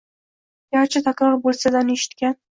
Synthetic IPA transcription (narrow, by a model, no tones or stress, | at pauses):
jʲaɾt͡ʃʰɪt̪ʰakɾɒɾbolˠsad̪aneʃɪ̥t̪kʲan